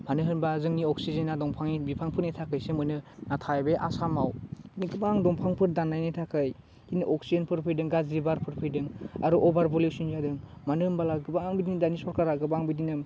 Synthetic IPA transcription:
manɯɦɯnbazɯŋniɔksizenːadɔŋpʰaŋibipʰaŋpʰɯɾnetʰakɯjsemɯjnɯnatʰajbeʔasamawkiniɡɯbaŋdɔŋpʰaŋpʰɯɾdanːajnetʰakʰɯj | kinɯʔɔk̚sienpʰɯɾpʰɯjdɯŋɡazɾibaɾpʰɯɾpʰɯjdɯŋa̰ɾuʔɔbaɾbɔlisinzadɯŋmanɯmbalaɡɯbaŋbidindanisɔɾkaɾaɡɯbaŋbidinɯm

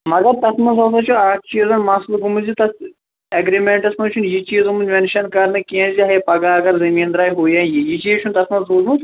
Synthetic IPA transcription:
mɐɡɐɾt̪ɐsmɐnzɐsɐt͡ʃʰuaːk̚t͡ʃiːzɐnmasluɡumɨzit̪ɐs | ɐɡɾimeɳʈɐsnɐt͡ʃʰunjit͡ʃiːzumɨnzʲmʲɐnʃɐnkɐɾnɨkiɐ̃nziɦɐjpɐɡaːɐɡɐɾzɐmiːnd̪ɾaːjɦoːjãːjijit͡ʃiːt͡ʃʰunt̪ɐsmɐnzoːzmuz

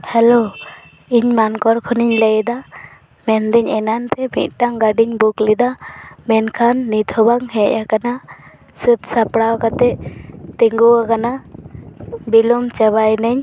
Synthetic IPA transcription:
hɛlo | iɲmankɔɾkʰɔniɲləjd̪a | mɛnd̪ɛɲɛnanpɛmḭt̪̚ˀʈaŋɡaɖiɲbuklid̪amɛnkʰanːit̪ʰɔbaŋɦɛʔakana | sət̪sapɽawkat̪ɛt̪iŋɡuwakana | bilɔmt͡ʃabajnəɲ

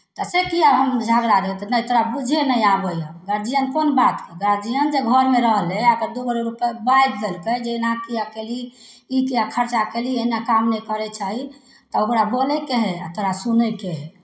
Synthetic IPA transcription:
t̪ɔsekijaɦəmd͡ʒʱaɡɾaɾeɦt̪ɔnəjt̪oɾabud͡ʒʱenəjabəjaɡəɾd͡ʒijənkonbat̪keɡəɾd͡ʒijənd͡ʒeɡʱəɾmeɾəɦlɛ̃əɡəɾd̪ubəɾeɾupebajd̪̚d̪elked͡ʒenakijakeli | ikijakʰəɾt͡ʃakelieɦinakamnɛjkəɾɛt͡ʃaɦi | t̪ɔokɾabolɛkeɦɛa̰t̪oɾasunəkeɦɛ

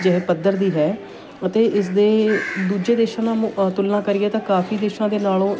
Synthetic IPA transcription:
d͡ʒɛɦeːpəd̪ːəɾd̪iːɦɛː | ət̪eːʔɪs̬d̪eːd̪uːd͡ʒeːd̪eːʃãːnãt̪ʊlnãːkəɾɪɛːt̪ãːkaːfiːd̪eːʃãːd̪eːnaːlõː

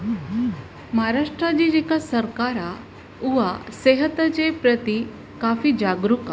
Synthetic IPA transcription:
maɦaɾaʂʈɾad͡ʑid͡ʑikasəɾkaɾa | uʋaseɦət̪ət͡ɕepɾət̪i | kafid͡ʑaɡɾuka

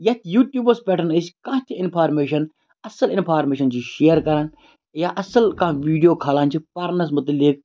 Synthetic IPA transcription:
jɐt̪ʰjuːʈjuːbɐspɛːʈənəskãːt̪ʰiɪnpʰaːɾmeːʃɐn | ɐsəlɪnpʰaːɾmeːʃɐnt͡ʃʰiʃeːəɾkɐɾɐn | jaːʔɐsəlkãːʋiːɖijoːkʰaːlãːnt͡ʃʰipɐɾnɐs̬mʊt̪ɐlik̚

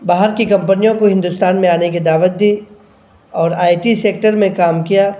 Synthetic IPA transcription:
baːɦəɾkikɐ̃mpənijõkoɦɪ̃nd̪ʊst̪aːnmẽaːneked̪aːʋət̪̚d̪iː | ɔːɾaːɪʈiseːk̚ʈəɾmẽkaːmkijaː

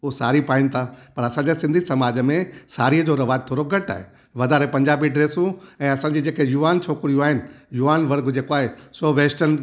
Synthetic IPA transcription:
ʊɦsaːɾipaːɪnɪ̆t̪ʰapɐɾɐsãːɲd͡ʑasɪ̃nd̪ʱisɐmaːd͡ʑəmẽsaːɾiəd͡ʑoɾɐʋaːəd̪̚t̪ʰoːɾoɡɐʈa̰ːɦe | ʋɐd̪ʱaːɾepɐ̃ɲd͡ʑaːbiɖɾeːsũɛ̃ːɐsã̆ːd͡ʑiːd͡ʑeːkejuːʋaːnt͡ɕʰoːkɾijũaːɦɪnɪ̆juːʋaːnʋɐɾɡd͡ʑeːkoaːɦesoʋeːsʈən

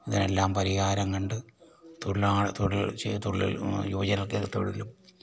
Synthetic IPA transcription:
iðine̞̰lːaːmpɐɾiɣaːɾɐŋkɐɳɖɨt̪uɭlaːt̪oɽilt̪uɭːḭl̰joːd͡ʑɐnɐlket̪ːo̰ɻilum

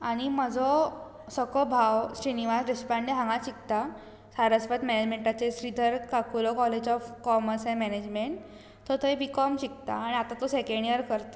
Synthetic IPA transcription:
aɽ̃im̤əd͡zʱɔ | səkɔbʱaʋɕɾiniʋasɾespaɳɖiɦãŋɡaɕik̚t̪a | saɾəsfət̪mɛned͡ʑmeɳʈat͡seɕɾid̪ʱəɾkakulɔkɔled͡ʑɔfkɔməɾsɦɛ̃mɛned͡ʑmeɳʈ̪ː | ɔt̪ʰəebikɔmɕik̚t̪a̰ːɽ̃iat̪at̪ɔsekeɳɖiəɾkəɾt̪

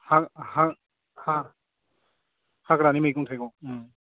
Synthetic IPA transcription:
hakhak | ha | hakɾanimajkuŋtʰajkɔŋ

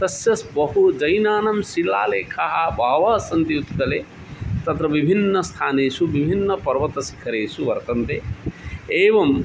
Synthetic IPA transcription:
t̪ɐsjɐsbɐɦud͡ʒɐjnaːnɐmʃilaːleːkʰaɦɐbʱaːʋaːsɐnt̪ijut̪kɐle | t̪ɐt̪ɾɐʋibʱinːɐst̪ʰaːneːʃuʋibʱinːɐpɐɾʋɐt̪ɐsi̥kʰɐɾeːsuʋɐɾt̪ɐnt̪e | eːʋɐm

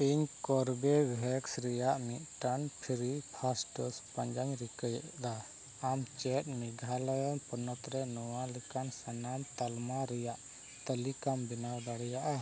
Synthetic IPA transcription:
iɲkɔɾbɛɡɾɛksɾɛjaʔmiʔ̪̚ʈanpʰiɾipʰasʈəspaɲd͡ʒaɲɾikəjʔd̪a | amt͡ʃɛt̪̚miɡʱaləjɔnpɔnɔt̪ɾɛnɔwalikansanamt̪almaɾɛjaʔ | t̪əlikambinawd̪aɽɛjaʔa

